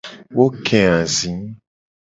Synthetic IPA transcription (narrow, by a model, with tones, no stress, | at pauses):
wo˦kʰɛ̃˨ã˨zĩ˨˦